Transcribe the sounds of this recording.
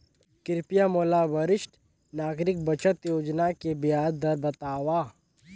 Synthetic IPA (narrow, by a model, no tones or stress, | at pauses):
kɪɾɪpijamoːlabəɾɪʃʈ | naːɡɾɪk̚bɐt͡ʃət̪joːd͡ʒnakebɪjaːd̪d̪ɐɾbɐt̪aːʋaː